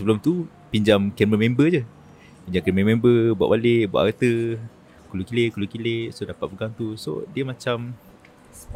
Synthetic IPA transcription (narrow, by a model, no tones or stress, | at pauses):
səbəlʊmt̪u | piɲd͡ʒaŋkɛrməmẽmbəd͡ʒə | piɲd͡ʒaŋkɛɾməmẽmbəbua̰ʔbaleʔbua̰ʔət̪ə | kulukileʔkulukileʔsodapat̪̚bəɡaŋt̪uso̰diəmat͡ʃam